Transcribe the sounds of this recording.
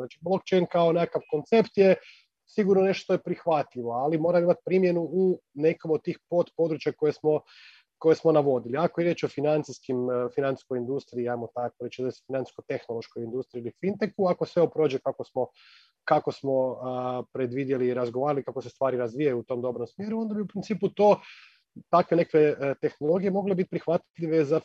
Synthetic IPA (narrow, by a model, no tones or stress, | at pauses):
naːt͡ʃiblˠo̞kt͡ʃejnkaonekakaʋko̞nt̪sept̪je | siɡuɾnone̞ʃt̪ojepɾixʋat̪ʎʲiʋo̞alimo̞ːɾamimat̪̚pɾimje̞nuune̞komod̪̚t̪iːxpo̞t̪po̞d̪ɾut͡ʃjako̞jesmo̞ | ko̞jesmo̞naʋo̞d̪iliakojiɾje̞ːt͡ʃofinant̪iskimfinani̥skojind̪ust̪ɾiːajmot̪akoɾet͡ʃd̪aesfinani̥skot̪e̞xnolˠo̞ʃkojind̪ust̪ɾiilifint̪ekuakosʋe̞opɾoːd͡ʒekako̞smo̞ | kako̞smo̞pɾe̞d̪ʋid̪je̞liːɾazɡoʋaːɾalikakosest̪ʋaːɾiɾazʋijajuut̪o̞ːmd̪o̞bɾomsmje̞ɾuo̞nd̪abiupɾint̪siːput̪o̞ː | t̪akʋene̞kakʋet̪e̞xnolˠo̞ɡije̞mo̞ɡlebit̪̚ʲpɾixʋat̪ʎiʋe̞za